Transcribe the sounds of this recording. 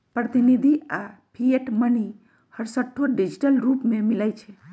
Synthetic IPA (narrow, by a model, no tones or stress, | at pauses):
pɾət̪inid̪ʱiapʰieʈməni | həɾsəʈʰːoɖid͡ʒiʈəlɾupmẽmilajt͡ʃʰe